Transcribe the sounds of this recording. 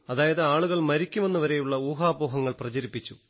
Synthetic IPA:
ɐðaːjɐðɨaːɭuɣɐɭmɐɾikʲːume̞nːuʋɐɾe̞juɭːɐuːɦaːboːɦɐŋːɐɭprɐd͡ʑɐɾipːit͡ɕːu

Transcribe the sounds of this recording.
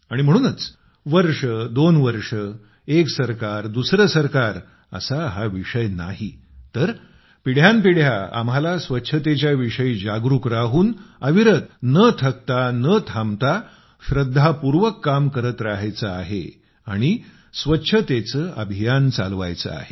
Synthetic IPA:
aɽ̃im̤əɽ̃uːnət͡s | ʋəɾʂəd̪onʋəɾʂə | eksəɾkaɾd̪usɾəsəɾkaɾ | ə̰saɦaʋiʂəjna̰ɦi | t̪əɾ | piɽ̤jampiɽ̤jaa̰mɦalasʋətːɕʰət̪et͡ɕjaʋiʂəiːd͡ʑaɡɾukɾaɦuːnəʋiɾət̪nət̪ʰək̚t̪anət̪ʰamt̪a | ɕɾəd̪ʱːapuɾʋəkːamkəɾət̪ɾaɦajt͡səaɦḛ | aɽ̃i | sʋətːɕʰət̪et͡səʔəbʱijant͡sa̰lʋa̰jt͡sə̰a̰ɦe

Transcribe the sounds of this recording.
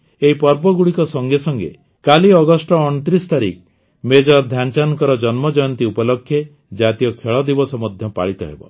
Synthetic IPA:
eɦipɔɾbɔɡuɽikɔsɔŋɡesɔŋɡḛ | kaliɔɡɔsʈɔːɳ̃ɔt̪ɾist̪aɾḭk | med͡ʒɔɾd̪ʱjant͡ʃanɔkɔɾɔd͡ʒɔnmɔd͡ʒɔjɔnt̪iupɔlɔkʰːje | d͡ʒat̪ijɔkʰeɭɔd̪ibɔsɔmɔd̪ʱjɔpa̰ɭit̪ɔɦḛbɔ̰

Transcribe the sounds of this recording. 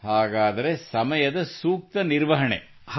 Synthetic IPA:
haːɡaːd̪ɐɾe̞sɐmɐjɐd̪ɐsuːk̚t̪ɐniɾʋɐɦɐɳḛ

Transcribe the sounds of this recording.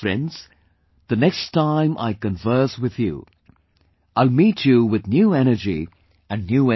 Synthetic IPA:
fɾɛ̰̃ndz̥ | ðɨnɛkstʰãɪ̃mʔa̰ɪkə̃ɱvɜ˞swɪðjṵ | aɪlˠmit͡ʃuwɪðnjuɛñə˞d͡ʒḭ | ɨ̃nːjuɛ

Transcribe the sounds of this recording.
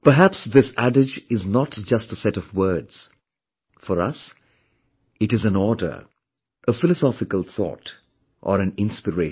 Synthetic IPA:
pəɦæpsðɪsæɖɪd͡ʒɪznətd͡ʒʌstəsɛɾɔvwɜ˞dz̥ | fəɾʌ̰s | ɨɾɨzɨ̃nɔːdə̰˞ | ʔəfɪləsɔfɪkəlˠθɔ̰ːt | ʔəɾɨ̃nɪ̃nspəɹe

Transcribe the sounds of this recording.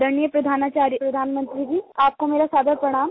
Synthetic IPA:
d̪ənijəpɾɐd̪ʱaːnat͡ɕaɾjəpɾɐd̪ʱaːnmənt̪ɾid͡ʑiːaːp̚komeːɾasaːd̪ʱəɾpɾɐɽ̃aːm

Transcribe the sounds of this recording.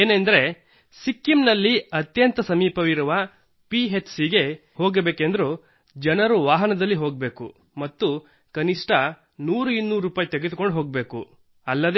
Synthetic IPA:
eːnend̪ɐɾe̞ | sikːimnɐlːiɐt̪jɐnt̪ɐsɐmiːpɐʋiɾuʋɐ | piɦet͡ʃsiɡe̞ho̞ːɡebeːkend̪ɐɾu | d͡ʒɐnɐɾuʋaːɦɐnɐd̪ɐlːiɦoːɡbe̞ːku | mɐt̪ːu | kɐniʂʈʰɐ | nuːɾuinːuːɾuːpaːjt̪eɡed̪uko̞ɳɖɦoːɡ̚be̞ːkṵ | ɐlːɐd̪

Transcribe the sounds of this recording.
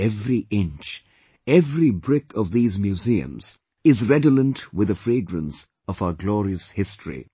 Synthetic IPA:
ɛvɾiʔɪ̃nt͡ʃ | ɛvɾibɹɪkʰʌvðiːzmjuziɨ̰̃mz̥ | ɪzɹɛdələ̃ntwɪðəfɾeːɡɹə̃ns | ʌvaʊəɡlɔɾiəshɪstʰɹḭ

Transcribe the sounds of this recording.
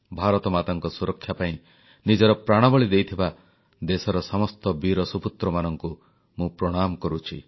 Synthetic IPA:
bʱaɾɔt̪ɔmat̪ɔŋkɔsuɾɔkʰːjapaĩ | nid͡ʒɔɾɔpɾaɽ̃ɔbɔɭid̪ejt̪ʰiba | d̪esɔɾɔsɔmɔst̪ɔbiɾɔsuput̪ɾɔmanɔŋku | mũpɾɔɽ̃amɔkɔɾut͡ʃʰi

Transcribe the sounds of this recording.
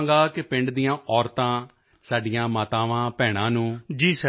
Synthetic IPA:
ŋɡaːkɪpɪɳɖd̪ijãːʔɔːɾt̪ãː | saːɖɪjãːmaːt̪ãːʋãːpɛːɽ̃ãːnũːd͡ʒiːs

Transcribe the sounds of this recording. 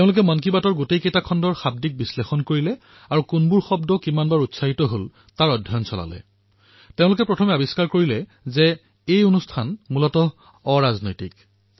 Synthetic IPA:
teʊ̃lʊk̬ɛmankibatɔɹɡotejketakʰɔndɔɹxab̚dik̚bislexɔnkoɹilɛ | aɹukunbuɹxɔbdɔkimanbaɹutsaɦitɔɦol | taɹɔdʱːjɔjɔnsɔla̰lɛ̰ | tẽʊ̃lʊk̬ɛpɹɔtʰɔmɛabiskaɹkoɹilɛ | zɛ | ejonustʰanmulɔtɔː | ɹaznɔjtik

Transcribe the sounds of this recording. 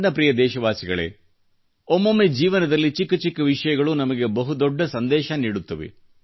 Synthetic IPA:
nɐpɾijɐd̪ɛːʃɐʋaːsiɡɐɭḛ | omːɐmːed͡ʒiːʋɐnɐd̪ɐlːit͡ʃikːɐt͡ʃikːɐʋiʂɐjɐɡɐɭunɐmɐɡe̞bɐɦud̪ɔɖːɐsɐnd̪ɛːʃɐniːɽut̪ːɐʋḛ

